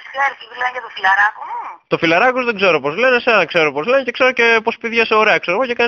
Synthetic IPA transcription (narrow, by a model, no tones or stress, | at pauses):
ɐlsivlɐʝɐt̪ofilɐɾɐkot̪o̞filɐɾɐkozðe̞ɡze̞ɾo̞po̞zle̞neseɐnɐkse̞ɾo̞po̞zlenece̞kse̞ɾoce̞po̞spiðʝɐseoɾe̞ɐkseɾoɣocekɐn